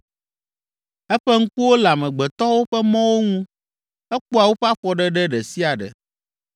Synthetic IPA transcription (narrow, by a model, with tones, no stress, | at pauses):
ɛ˦ɸɛ˦ŋ̩˦ku˦wo˦la˨mɛ̃˨ɡ͡bɛ˨t̪ɔ˦wo˦ɸɛ˦mɔ̃˦wo˦ŋũ˦ | ɛ˦k͡po˦a˨wo˦ɸa˦ɸɔ˨ɖɛ˦ɖɛ˦ɖɛ˨si˦a˨ɖɛ̰˨